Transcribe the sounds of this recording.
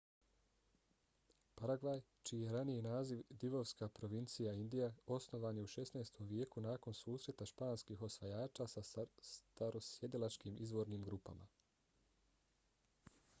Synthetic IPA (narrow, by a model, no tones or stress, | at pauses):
paɾaɡʋajt͡ʃiːjeɾanijinaːziʋd̪iʋo̞ʋskapɾo̞ʋint̪sijaind̪ijao̞sno̞ʋaːnjeuʃe̞snaːst̪ʰo̞mʋje̞ːkunaːko̞nsuːsɾe̞t̪aʃpaːnskiːxo̞sʋajaːt͡ʃasast̪aɾosjed̪ilˠat͡ʃkiːmʔizʋo̞ɾniːmɡɾuːpa̰mʔa̰